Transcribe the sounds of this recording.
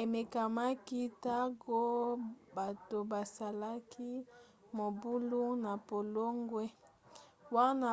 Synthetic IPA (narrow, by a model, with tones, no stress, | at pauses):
e˨me˨ka˨ma˦ki˦ta˦ɡo˦ba˨to˨ba˨sa˨la˦kʰi˦ | mo˨bu˦lu˦na˨po˨lo˦ŋɡwe˦ | wa˦na˦